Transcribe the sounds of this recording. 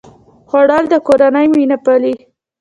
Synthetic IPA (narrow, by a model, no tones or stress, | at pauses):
xoɽɑld̪əkoɾanəjminapali